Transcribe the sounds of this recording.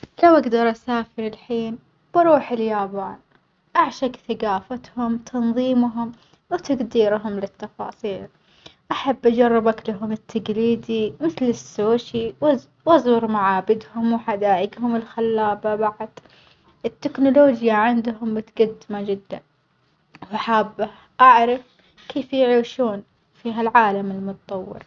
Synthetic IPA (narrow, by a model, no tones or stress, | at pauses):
lawʔaɡd̪ɑɾˤʔasaːfɪɾɪlħiːn | bɑɾˤuːħɪljaːbaːn | ʔaʕʃaɡθaɡaːfat̪hʊmt̪ʰɑnðˤiːmɦʊm | wt̪aɡd̪iːɾɦʊmlɪt̪ːɑfɑ̰ːsˤiːl | ʔaħabːʔad͡ʒɑrˤːɪbaklaɦʊmɪt̪ːaɡliːd̪imɪθlɪsːoːʃiw | wʔɑzˤuːɾmaʕaːbɪd̪hʊmwħad̪aːʔɪɡhʊmɪlxalːaːbabaʕd̪ | ɪt̪ːɪknʊloːd͡ʒjaʕɪnd̪ɦʊmbɪt̪ɡad̪ːɪmad͡ʒɪd̪ːan | waħaːbːah | ʔaʕɾˤɑf | keːfjʕiːʃuːn | fiːɦalʕaːlamɪlmʊt̪ɑt̪ˤɑwːɪ̰ɾ